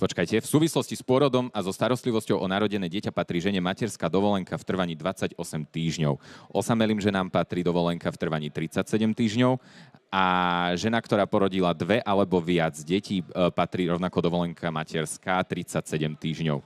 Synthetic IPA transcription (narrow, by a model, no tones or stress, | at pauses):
pɔt͡ʃkajcɛfsuːʋislɔscispʊɔɾɔd̪ɔmazɔst̪aɾɔst̪liʋɔscɔʊʔɔnaɾɔɟɛnɛːɟɪɛcapat̪ɾiːʒɛɲɛmacɛɾskaːd̪ɔʋɔlɛŋkʰaft̪r̩ʋaɲiːd̪ʋat͡saɟɔsɛmt̪iːʒɲɔʊʔɔsamɛliːmʒɛnaːmpat̪ɾiːd̪ɔʋɔlɛŋkaft̪r̩ʋaɲiːt̪ɾit͡sacsɛɟɛmt̪iːʒɲɔʊʔaʒɛnakt̪ɔɾaːpɔɾɔɟilad̪ʋɛʔalɛbɔʋɪad͡zɟɛcʰiːpat̪ɾiːɾɔʊnakɔd̪ɔʋɔlɛŋkʰamacɛɾskaːt̪ɾit͡sacsɛɟɛmt̪iːʒɲɔ̰ʊ